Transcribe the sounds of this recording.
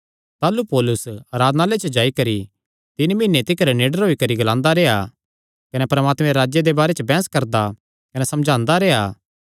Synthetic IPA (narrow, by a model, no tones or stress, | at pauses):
t̪aːlupoːlʊsɐɾaːd̪nalet͡ʃəd͡ʒaːikɐɾi | t̪ɪnmɪ̃nːet̪ɪkəɾneːɖəɾɦoːikɐɾiɡɐlãːnd̪aɾɛːa | kɐnɛpɐɾmaːt̪mɛ̃ɾaːd͡ʒjed̪ebaːɾet͡ʃəbɛ̃ːskɐɾd̪a | kɐnɛsɐ̃md͡ʒʱãːnd̪aɾɛːa